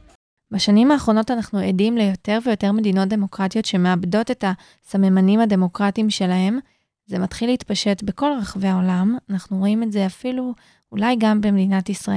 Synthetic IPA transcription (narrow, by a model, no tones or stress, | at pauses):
baʃanimaːχʁo̞no̞tanaχnuedimlejo̞te̞ʁve̞jo̞te̞ʁme̞dino̞t̚de̞mo̞kʁatijo̞tʃe̞me̞abdo̞te̞ta | samemanimhade̞mo̞kʁatimʃe̞lahe̞m | ze̞matχileitpaʃe̞tbe̞ko̞lʁaχve̞ao̞lamanaχnuʁo̞imetze̞afilu | ulajɡambemedinatisʁaʔe